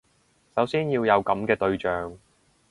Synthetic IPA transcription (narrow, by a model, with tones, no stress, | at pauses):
sɐ˨˥wsiː˥njiː˧wjɐ˨˧wkɐ˨˥mkɛː˧t̪ɵ˧ɥt͡ʃœː˨ŋ